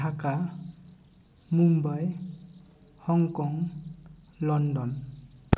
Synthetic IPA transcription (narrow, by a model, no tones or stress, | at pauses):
aka | mumbaj | hɔŋkɔŋ | lɔndɔn